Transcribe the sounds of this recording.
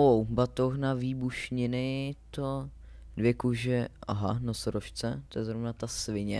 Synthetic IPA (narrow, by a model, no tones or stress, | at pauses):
owbat̪oxnaviːbuʃɲɪnɪt̪o | dvjɛkuʒɛʔa̰ɦanosoɾoʃt͡sɛt̪ojɛzɾovnat̪asvɪɲɛ